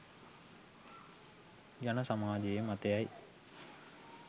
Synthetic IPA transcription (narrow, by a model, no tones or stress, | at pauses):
janəsamaːd͡ʒejemat̪ejaj